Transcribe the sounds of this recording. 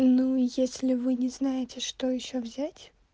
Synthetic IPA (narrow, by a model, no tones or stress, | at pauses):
nujesʲlʲɪvɨnʲɪznajɪtʲɪʂt̪ojɪɕːovzʲætʲ